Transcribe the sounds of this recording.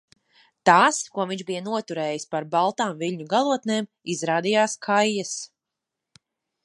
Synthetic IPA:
t̪aːskuɔviɲʒbijɐnuɔt̪uɾɛːjispaɾbalˠt̪aːmviʎʲɲuɡalˠuɔt̪neːm | izɾaːd̪ijaːskʰajːas

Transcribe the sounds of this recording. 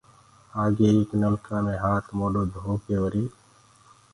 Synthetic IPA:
aːɡeeːknəmkaːmẽɦaːt̪ʰmoːloːd̪ʱoːkeoɾiː

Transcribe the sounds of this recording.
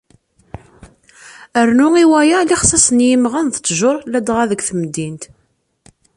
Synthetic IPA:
əɾnʊiwæjæliχsæsənjəmʁænθə̥t͡sːʒʊɾˤlæd̪ʁæðəɡʷθəmd̪ːint̪

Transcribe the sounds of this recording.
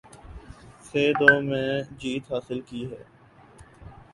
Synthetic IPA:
seːɖoːmẽːd͡ʒiːt̪ɦaːsɪlkiːɦɛ̰ː

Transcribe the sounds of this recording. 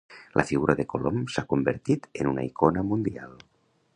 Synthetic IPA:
lʔa̰fiɣuɾaðekolomsakombeɾt̪it̪enuna̰ikonəmund̪ia̰lˠ

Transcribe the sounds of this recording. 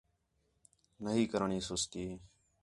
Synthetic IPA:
nəɦiːkəɾəɳiːsʊst̪iː

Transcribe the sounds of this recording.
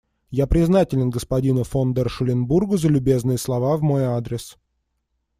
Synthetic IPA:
japɾʲɪznatʲɪlʲɪnɡəspɐdʲinʊfond̪ərʂɨlʲɪnburɡʊzəlʲʊbʲe̞znɨjəslˠɐvavmo̞jad̪ɾʲɪs

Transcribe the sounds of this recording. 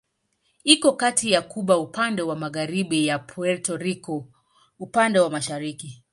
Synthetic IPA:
ikɔkatijakuɓaupandɛwamaɣaɾiɓijapʰɔɛltɔɾikɔ | upandɛwamaʃaɾiki

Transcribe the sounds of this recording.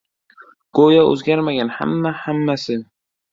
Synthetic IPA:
ɡ̥ojaɵ̰zɡʲaɾmaɡʲanha̰mːahamːasɪ

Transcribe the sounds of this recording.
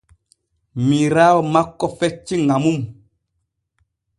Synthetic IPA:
miɾamakɔfɛt͡ʃiŋamum

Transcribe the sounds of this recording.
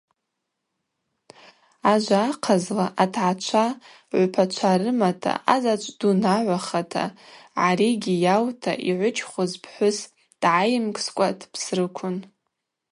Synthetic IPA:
aʒʷaːqʰazlaʔatʰʕat͡ʃʷʰa | ʕʷpʰat͡ʃʷʰaɾɨmatʰa̰ʔazat͡ʃʷʼdunaʕʷaχatʰa̰ʕaɾiɡʲijawtʰa̰ʔiʕʷʊt͡ʃʰχʷʊzpʰħʷʊs | d̥ʕajɪmkʼskʷʼatʰpʰsrɨkʷʰʊn

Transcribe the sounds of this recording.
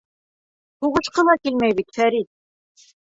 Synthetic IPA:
huʁɤ̆ʃqɤ̆lˠɑkilmæjβit̪fæɾit̪̚

